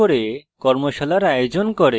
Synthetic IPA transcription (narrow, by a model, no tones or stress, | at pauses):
oɾekɔɾmoʃalaɾajod͡ʑonkoɾe